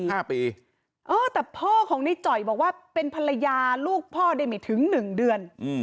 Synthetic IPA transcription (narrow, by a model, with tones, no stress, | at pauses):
aː˥˩piː˧ | ʔɤː˧t̪ɛː˨˩pʰɔː˥˩kʰɔː˩˦ŋna˧jt͡ɕɔ˨˩jbɔː˨˩k̚waː˥˩pe˧npʰa˧la˧jaː˧luː˥˩k̚pʰɔː˥˩da˥˩jma˧˩jt̪ʰɯ˩˦ŋnɯ˨˩ŋdɯ˧ənʔ